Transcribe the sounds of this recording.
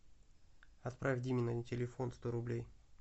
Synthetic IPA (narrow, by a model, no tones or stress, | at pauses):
ɐt̪pɾʔavʲdʲimʲɪnɐdʲintʲɪlʲɪfo̞nst̪o̞ɾʊblʲej